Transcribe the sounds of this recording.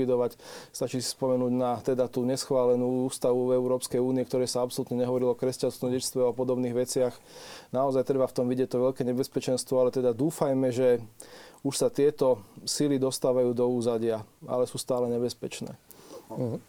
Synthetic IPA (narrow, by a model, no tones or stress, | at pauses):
id̪ɔʋacst̪at͡ʃisi̥spɔmɛnuːɟnat̪ɛd̪at̪uːɲɛsxʋaːlɛnuːuːst̪aʋuvɛʊɾɔːpskɛjuːniɛkt̪ɔɾɛːsaapsɔlut̪ɲɛɲɛɦɔʋɔɾilɔkɾɛscanst̪ʋɔɟɛcst̪ʋɛapɔd̪ɔbniːɣʋɛt͡sɪax | naɔzajt̪ɾɛbaft̪ɔmʋiɟɪɛc̚t̪ɔʋɛʎkɛːɲɛbɛspɛt͡ʃɛnst̪ʋɔalɛt̪ɛd̪ad̪uːfajmɛʒɛ | uʃsat̪ɪɛt̪ɔsilid̪ɔst̪aːʋajuːd̪ɔuːzaɟɪaa̰lɛsuːst̪aːlɛɲɛbɛspɛt͡ʃnɛ̰ː